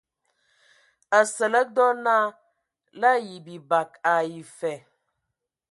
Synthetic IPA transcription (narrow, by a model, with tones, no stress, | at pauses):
ə˨sə˨lə˦dɔ˦na˦ | la˦ji˨bi˨ba˨ka˨ji˨fɛ˨